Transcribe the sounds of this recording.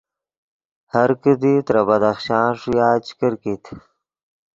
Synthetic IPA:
haɾkəd̪it̪ɾabɐd̪axʃɑ̃ːnʂijaːt͡ɕkəɾkit̪ʰ

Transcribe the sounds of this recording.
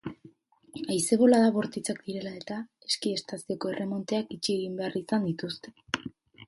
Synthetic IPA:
ajse̞βo̞laðaβo̞ɾt̪it͡sak̚d̪iɾe̞lae̞t̪ae̞skie̞st̪asio̞ko̞e̞rʔe̞mo̞nt̪e̞akit͡ʃieɣ̞imbe̞arisand̪it̪ust̪e̞̥

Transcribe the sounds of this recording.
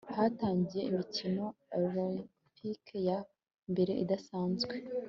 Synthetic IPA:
haːtaːɲɟije̞imicino̞aɾoli | pikja | mbe̞ɾe̞ʔḭdasaːnzɡwe

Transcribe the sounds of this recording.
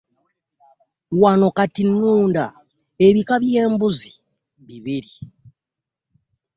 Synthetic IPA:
wanokatinuːnda | eβikaβijembuzi̥ | βiβiɾi

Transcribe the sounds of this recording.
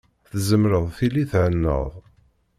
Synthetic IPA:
θzəmɾəðˤθiliθʕənːə̰ðˤ

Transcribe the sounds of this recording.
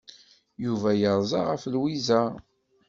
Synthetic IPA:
juvæjəɾˤzˤɑʁəflwizæ

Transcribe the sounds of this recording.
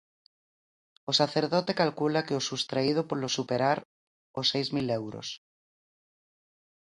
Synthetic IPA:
osaθeɾðot̪e̞kalkulakeosust̪ɾaið̞opoɾlosupeɾaɾ | osejzmilewɾo̰s

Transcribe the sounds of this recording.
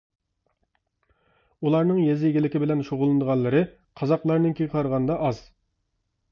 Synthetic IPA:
ulˠɑɾnɨŋjezɪjɡʲilɪkʲɪbɪlɛnʃoʁʊlˠɨnd̪əʁɑnlːˠɨɾɨ | qʰɑzɑqlˠɑɾnɨnkʲʰeɡʲqʰɑɾəʁɑnd̪ɑʔɑz̥

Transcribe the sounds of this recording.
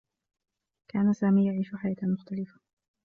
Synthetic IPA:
kaːnasaːmiːjaʕiːʃʊħajaːt̪amʊxt̪alɪfḁ

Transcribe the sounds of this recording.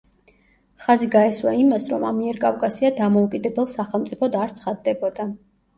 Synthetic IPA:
χaziɡaɛswaimasɾɔmamiɛɾkʼavkʼasiad̪amɔukʼid̪ɛbɛlˠsaχɛlˠmt̪sʼipʰɔd̪aɾt̪sʰχad̪ːɛbɔd̪a

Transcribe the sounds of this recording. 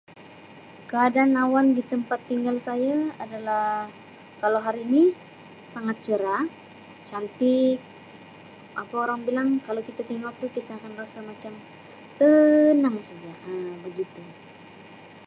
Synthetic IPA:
kəadaːnawandit̪əmpat̪ːiŋɡalsajaadala | kalawɦaɾiːni | saŋat̪̚t͡ʃəɾa | t͡ʃant̪ɪk̚ | ʔapaoɾaŋbilaŋkalawkit̪at̪iŋalt̪ukit̪aːkanrasamat͡ʃam | t̪ənəŋsad͡ʒaʔəbəɡit̪u

